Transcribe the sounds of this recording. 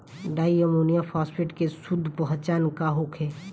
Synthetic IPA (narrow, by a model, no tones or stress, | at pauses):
ɖaːiəmonijapʰaːspʰeʈkesʊd̪ʱːpəɦə̃t͡ʃankaɦokʰe